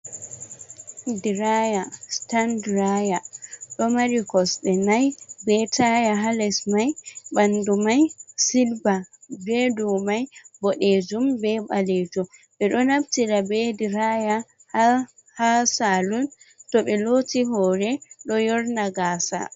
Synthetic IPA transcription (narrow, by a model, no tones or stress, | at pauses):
diɾajastandɾajaɗɔmaɾikɔsɓɛnajbɛtajaɦalɛsmajbandumajsilbabɛdumajbɔɗed͡ʒumbɛbalɛtɔɓɛɗɔnabtiɾabɛdiɾaja | ha | hasaluntɔɓɛlotiɦɔːɾɛɗɔjɔɾnaɡaːsa̰